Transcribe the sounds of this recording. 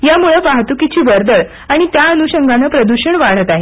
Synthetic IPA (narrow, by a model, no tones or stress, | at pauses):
jamuɭəpaɦt̪ukit͡ɕiːʋəɾd̪əɭ | aɽ̃it̪jaənuɕəŋɡanəːpɾəd̪uɕəɳʋaɽ̤ət̪aɦe